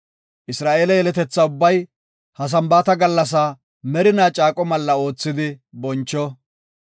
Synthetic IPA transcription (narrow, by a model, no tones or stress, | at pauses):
ʔɪsɾaːʔeːlɐjɛlɛt̪ɛt͡sːɐʊbːɐj | hɐs̬ɐmbaːt̪ɐɡɐlːɐs̬aː | mɛɾɪnaːt͡ʃʼaːkʼɔmɐlːɐo̞ːt͡sːɪd̪ɪbɔnt͡ʃːɔ